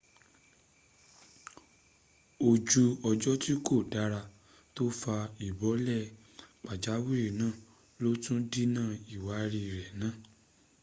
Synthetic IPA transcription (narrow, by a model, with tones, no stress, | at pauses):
o˨d͡ʒu˧ɔ˧d͡ʒɔ˦ti˦ko˦˨da˨˦ɾa˧ | to˦fa˧i˨bɔ˨˦lɛ˦˨ | k͡pa˨d͡ʒa˨˦wi˦ɾi˨nãː˦˨ | lo˦tũ˦di˦nãː˦˨i˨wa˨˦ɾi˧˨ɾɛ˨nãː˦˨